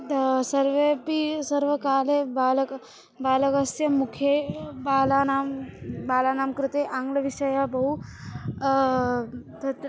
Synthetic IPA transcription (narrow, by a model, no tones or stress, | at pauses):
sɐɾʋepisɐɾʋəkaːlebalɐk | baːlɐkɐsjɐmukʰebaːlanaːmbaːlanaːmkɾɪt̪eːʔaŋɡlɐʋiʂɐjabɐɦu | t̪ɐt̪